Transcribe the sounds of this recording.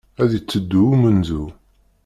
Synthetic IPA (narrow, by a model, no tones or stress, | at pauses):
æðət͡sːəd̪ːuumənzu